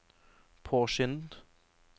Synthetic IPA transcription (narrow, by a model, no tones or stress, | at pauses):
pʰoːʃʏnd̪